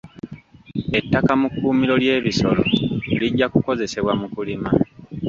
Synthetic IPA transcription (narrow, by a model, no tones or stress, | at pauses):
e̞tːakamukːuːmilo̞lje̞ːβiso̞lo̞̰eliɟːakuko̞ze̞se̞βwamukulima